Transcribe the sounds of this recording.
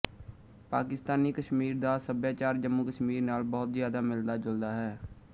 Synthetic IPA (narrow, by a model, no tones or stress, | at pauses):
paːkɪst̪aːniːkəʃmiːɾd̪aːsəbjaːt͡ʃaːɾd͡ʒəmːuːkəʃmiːɾnaːlbɔːt̪zɪjaːd̪aːmɪld̪aːd͡ʒʊld̪aːɦɛː